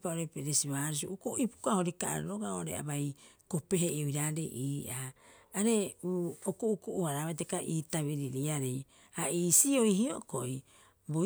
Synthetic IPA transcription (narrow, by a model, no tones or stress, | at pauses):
paoɾepeɾesiβaːɾus̬io̰ʔukoipu̥kahoɾikaʔa̰ɾɾoɡaoɾḛa̰βajko̞pe̞ɦeiojɾaɾḛʔiːʔaː | ɾe̞uokoukoʔuaɾaβajtekaʔiːtaβiɾiɾiaɾej | aiːsio̞jhiokoi | bo